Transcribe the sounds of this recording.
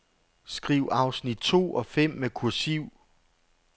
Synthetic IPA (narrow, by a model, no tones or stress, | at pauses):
sɡ̥ʁiʊɑ̈ʊsnid̥̚t͡sʰo̝̰ːʔɒ̽fem̰ːekʰuɐsiʊ̰